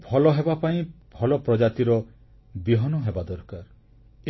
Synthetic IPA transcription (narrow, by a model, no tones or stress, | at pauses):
bʱɔlɔɦebapaĩbʱɔlɔpɾɔd͡ʒat̪iɾɔ | biɦɔnɔɦebad̪ɔɾkaɾ